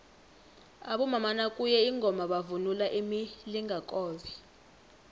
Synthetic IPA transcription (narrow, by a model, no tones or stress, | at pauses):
aɓɔmamanakʼujɛiŋʱɔmaɓavunulaʔimiliŋɡʱakʼɔːzi